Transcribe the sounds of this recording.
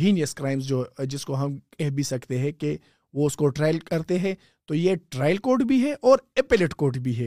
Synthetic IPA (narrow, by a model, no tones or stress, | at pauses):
iːnjəskɾaːɪms̬d͡ʒoːd͡ʒɪskoɦɐmkɛɦbʱisɐkt̪eɦɛ̃ke | ʋoʊskoʈɾaːɪlkɐɾt̪eɦɛ̃ː | t̪ojeʈɾaːɪlkoːʈbʱiɦɛʔɔːɾepɪlɪʈkoːɾʈbʱiɦɛː